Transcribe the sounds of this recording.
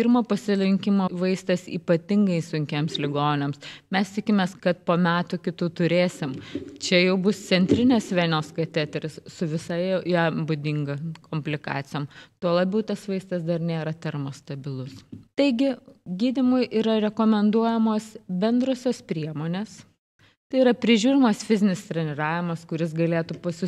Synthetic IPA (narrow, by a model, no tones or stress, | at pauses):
pʲirmoːpɐsʲɪlʲɪŋʲkʲɪmoʋɐɪst̪ɐsḭːpɐt̪ʲɪŋɡɐɪsʊŋʲkʲeːmslʲɪɡoːnʲeːmsmʲɛst̪ʲɪkʲɪmʲeːskɐt̪̚poːmʲæːt̪ʊkʲɪt̪uːt̪ʊɾʲeːsʲɪmt͡ʃʲɛjɛʊbʊssʲɛnʲt̪ʲɾʲɪnʲeːsʋʲæːnʲoːskɐt̪ʲæt̪ʲɛɾʲɪssʊʋʲɪsɐɪʊjɛbʊd̪ʲɪŋɡɐkʰoːmʲpʲlʲɪkɑ̰ːt̪sʲɪjoːmt̪uɔlˠɐːbʲɛʊt̪ɐsʋɐɪst̪ɐsd̪ɐrnʲeːɾɐt̪ʲɛɾmost̪ɐbʲɪlˠʊst̪ɐɪɡʲɪɡʲiːd̪ʲɪmʊjʔiːɾɐɾʲɛkoːmʲɛnd̪uɔjɛmoːsbʲɛnd̪ɾoːsʲoːspʲɾʲiɛmoːnʲeːs | t̪ɐɪiɾɐpʲɾʲɪʒʲuːɾʲɪmɐsfʲɪzʲɪnʲɪst̪ʲɾʲɛnʲɪɾɑːʋʲɪmɐskʊɾʲɪs̬ɡɐlʲeːt̪upɐsʲɪ